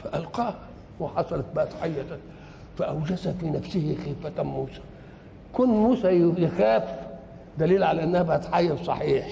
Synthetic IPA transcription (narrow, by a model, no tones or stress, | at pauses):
faʔalqɑːh | hwħɑsˤɑlɑt̪̚baʔt̪ħajːat̪a | faʔawd͡ʒazafiːnafsɪhɪxiːfat̪muːsḁ | kʊnːmuːsæjjɪxaːf | d̪æliːlʕalæʔɪnːahæbaʔt̪ħajːalsˤɑ̰ħiːħ